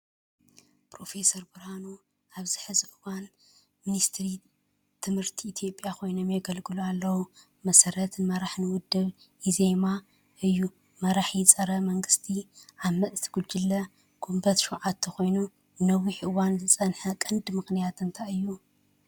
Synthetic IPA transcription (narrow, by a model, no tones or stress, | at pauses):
pɾo̞fe̞sɐɾbɨɾhano | ʔaβzɨħɨzɨʔɨwan | minist̪ʰɾi | t̪ʰɨmhɨɾt̪ʰiːt̪ʰjo̞pʼːjakʰo̞jno̞mjɐɡɐlɡɨlualːɐwu | mɐsɐɾɐt̪nɨmɐɾaħnɨwʊd̪ːɨβ | izema | ʔɨjːu | mɐɾaħjɪt͡sʼɐɾɐmɐŋɡɨst̪ʰiʔaβmɐt͡sʼt̪ʰɨ̥ɡuld͡ʒɪlːɐ | ɡ̥ʰumbɐt̪ʃuʕat̪ʰːɐxo̞jnu | nɐwiħʔɨwanzɨt͡sʼɐnħɐkʼɨnd̪mɨxnijat̪ɨnt̪ʰaɨjːu